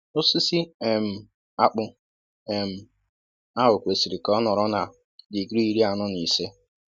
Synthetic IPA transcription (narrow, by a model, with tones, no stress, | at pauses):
o˦si˦si˦e˨m̩˨ | a˦k͡pʊ˦ | e˨m̩˨ | a˦ɦʊ˨kʷe˨si˨ɾi˨kɔ˦nɔ˨ɾɔ˦na˨ | di˨ɡɾi˦ɾi˦a˨nʊ˦ni˨se˦